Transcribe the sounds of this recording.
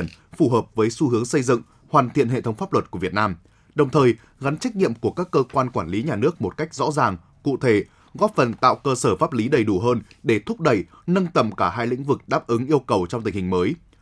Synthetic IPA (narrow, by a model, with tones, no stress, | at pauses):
ən | fu˧˩ɦəː˨˩p̚vəː˨˦jsu˧hɨ˨˦əŋsə˧jzɨ̰˧˨ŋ | hwaː˨˩nt̪ʰḭ˧˨ənhɦḛ˧˨t̪ʰə˨˦ŋ͡mfaː˦˥p̚lwə˨˩t̚ku˧˩əvi˨˩ət̚naː˧m | ɗə˨˩wŋ͡mt̪ʰəː˨˩j | ɣa˨˦nt͡ɕa˦˥k̟̚ɲḭ˧˨əmku˧˩əkaː˦˥kːəː˧kwaː˧nkwaː˧˩nli˨˦ɲaː˨˩nɨ˦˥ək̚mo˨˩t̚ka˦˥jk̟̚zɔ̰˧˥zaː˨˩ŋ | kṵ˧˨t̪ʰe˧˩ | ɣɔ˦˥p̚fə˨˩nt̪a̰ː˧˨wkəː˧səː˧˩faː˦˥p̚li˨˦ɗə˨˩jɗu˧˩ɦəː˧nɗe˧˩t̪ʰʊ˦˥k͡p̚ɗə˧˨j | nə˧nt̪ə̰˧˨mkaː˧˩ɦaː˧jlï˧˥ŋ̟vɨ˨˩k̚ɗaː˦˥p̚ʔɨ˨˦ŋʔi˧əwkə˨˩wt͡ɕɔ˧wŋ͡mt̪ï˨˩ŋ̟hï˨˩ŋ̟məː˨˦j